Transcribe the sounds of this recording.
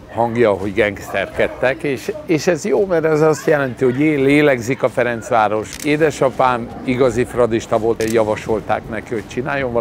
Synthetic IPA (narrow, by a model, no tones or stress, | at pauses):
hɒŋɡjɒɦo̞ɟɡɛŋɡst̪ɛrkɛt̪ːɛkeːʃeːʃɛzjoːmɛɾɛzɒst̪jɛlɛnt̪iho̞ɟeːleːlɛɡzikɒfɛɾɛnt̪sʋaːɾo̞ʃeːd̪ɛʃɒpaːn | iɡɒzifrɒd̪iʃt̪ɒvoljɒvɒʃo̞lt̪a̰ːknɛkiho̞c̚t͡ʃinaːjo̞ɱvɒ